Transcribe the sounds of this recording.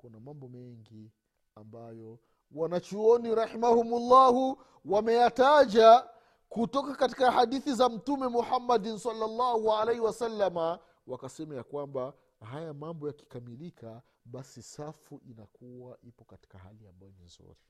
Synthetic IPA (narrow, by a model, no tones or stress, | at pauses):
kunamambɔmɛŋɡi | ambajɔ | wanat͡ʃuɔniɾaħimahumulːahu | wamɛjataʄa | kutɔkakati̥kahaɗiθizam̩tumɛmuħamːadinsalːalːahualɛhiwasalːama | wakasɛmajakwamba | hajamambɔjaki̥kamilika | ɓasisafuʔinakuwaʔipɔkati̥kaha̰lia̰mbajɔninzṵɾi